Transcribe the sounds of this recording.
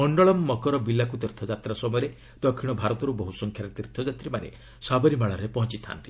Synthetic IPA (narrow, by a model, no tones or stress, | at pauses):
mɔɳɖɔɭɔmːɔkɔɾɔbilakut̪iɾt̪ʰɔd͡ʒat̪ɾasɔmɔjɔɾe | d̪̥ɔkʰiɽ̃ɔbʱaɾɔt̪ɔɾubɔɦusɔŋkʰjaɾet̪iɾt̪ʰɔd͡ʒat̪ɾimanḛ | sabɔɾimaɭɔɾepɔɦɔ̃nt͡ʃit̪ʰa̰nt̪i